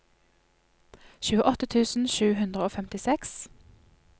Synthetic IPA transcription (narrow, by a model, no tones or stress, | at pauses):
çʉːəʔɔt̪ət̪ʰʉːsn̩ʃʉːhʉnd̪ʁəoːfɛmt̪ɪsɛks